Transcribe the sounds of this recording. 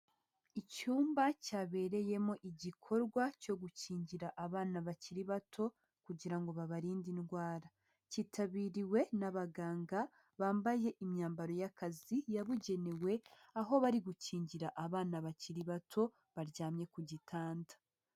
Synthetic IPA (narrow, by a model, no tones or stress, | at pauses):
icuːmbacaːβe̞ːɾe̞je̞mo̞ʔiɟikʰo̞ɾɡwaco̞ɡuciːɲɟiɾaʔaβaːnaβaciɾiβatʰo̞ | kuɟiɾaŋɡo̞βaβaɾiːndinɡwaːɾa | ciːtʰaβiːɾiwe̞naβaɡaːŋɡa | βaːmbaje̞ʔimɲaːmbaɾo̞jakazijaβuɟe̞newe̞ | aɦo̞βaɾiɡuciːɲɟiɾaʔaβaːnaβaciɾiβatʰo̞ | βaɾɟaːmɲe̞kuɟitʰaːndḁ